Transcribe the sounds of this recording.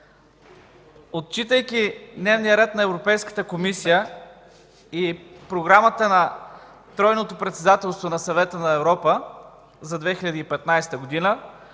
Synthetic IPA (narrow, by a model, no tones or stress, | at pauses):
ot̪̚t͡ʃit̪əjk̟ʲid̪nɛvnijəɾɛt̪nɐɛvɾopɛjskə̥t̪əkomisijə | ipɾoɡɾamət̪ənɐ | t̪ɾɔjnot̪opɾɛt̪sɛd̪at̪ɛlˠst̪vonɐsɐvɛt̪ənɐɛvɾɔpə | zɐd̪vɛxiʎʲɐd̪iːpɛt̪najst̪əɡod̪inə